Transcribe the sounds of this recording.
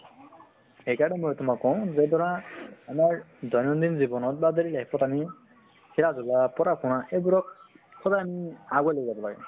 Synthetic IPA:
ɦejkaɹɔnɛmɔjtʊmakːɔʊ̃zɛdɔɹaːmaɹdɔjnɔndinzibɔnɔt̚badeɾilakʰipɔtami | kʰiɹazulapɔɾakʰʊnaʔejbuɹɔk̚kʰɔzajamiaɡɔajlojzabɔlaɡɛ̰

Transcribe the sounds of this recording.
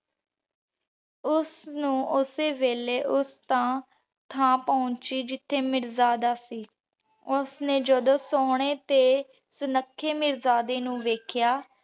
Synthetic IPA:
ʊsnũːʊseːʋeːleːʔʊst̪ãː | t̪ʰãːpãːnt͡ʃiːd͡ʒɪt̪ʰːeːmɪɾzaːd̪aːsiː | ʊsneːd͡ʒəd̪õːsoːɽ̃eːt̪eː | sənəkʰːeːmɪɾzaːd̪eːnũːʋeːkʰjaː

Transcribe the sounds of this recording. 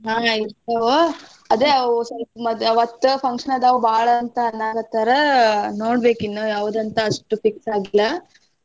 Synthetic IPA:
ɦaːiɾt̪ɐʋɐ | ɐd̪esɐɐd̪ɐʋɐt̪ːpʰɐŋkʂɐnɐd̪ɐʋɐbaːɭɐːnt̪ɐːnːaːɡɐt̪ːɐɾenoːɽbe̞ːkinːujaːʋud̪ɐnt̪ɐːʂʈupiksaːɡilːɐ

